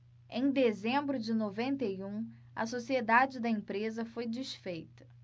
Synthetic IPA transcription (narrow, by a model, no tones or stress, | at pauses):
ẽj̃d̪ezẽmbɾʊd͡ʒɪnovẽnt̪ejũ | ɐ̰sosied̪ad͡ʒɪd̪ɐẽpɾezɐfojd͡ʒiʃfejt̪ɐ̥